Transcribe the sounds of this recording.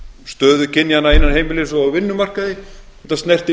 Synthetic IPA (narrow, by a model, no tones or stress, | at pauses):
st̪œːðʏcʰɪnjanaɪnːanɦejmɪlɪsɔawvɪnːʏmar̥kaðɪ | ɛht̪ːast̪nɛjr̥t̪ɪ